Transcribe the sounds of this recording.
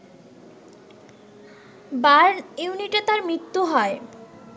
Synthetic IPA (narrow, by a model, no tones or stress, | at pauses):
baɾnuniʈat̪aɾmɾit̪ːuɦɔe